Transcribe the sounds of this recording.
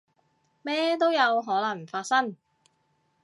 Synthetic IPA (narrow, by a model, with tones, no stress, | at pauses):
mɛː˥t̪̬o˥wjɐ˨˧wɦɔː˨˥lɐ˨˩ŋ˩faː˧t̚sɐ˥ŋ